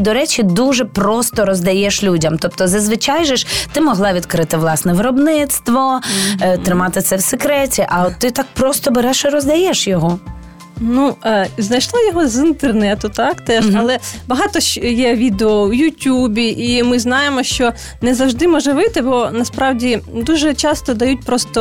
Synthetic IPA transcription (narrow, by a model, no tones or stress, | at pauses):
d̪ɔɾɛt͡ʃid̪uʒɛpɾɔst̪ɔɾɔzd̪ɐjɛʃlʲudʲɐmt̪ɔp̚t̪ɔzɐzʋɪt͡ʃɑjʒɛʃt̪ɪmɔɦlˠɑʋʲid̪kɾɪt̪ɪʋlˠɑsnɛʋɪɾɔbnɪt̪st̪ʋɔ | t̪ɾɪmɑt̪ɪt̪sɛwsekɾɛtʲiʔɐt̪ːɪt̪ɑk̚pɾɔst̪ɔbeɾɛʃɪɾɔzd̪ɐjɛʃjɔɦɔ | nuznɐjʃlˠɔjɔɦɔzint̪ernɛt̪ʊt̪ɑkt̪ɛʃɐlˠɛbɐɦɑt̪ɔʃjɛʋʲid̪eɔwjutʲubʲiʔimɪznɑjemɔʃt͡ʃɔ | nɛzɐwʒd̪ɪmɔʒɛʋɪt̪ɪbɔnɐspɾɑwdʲid̪uʒɛt͡ʃɑst̪ɔd̪ɐjut̚ʲpɾɔst̪ɔ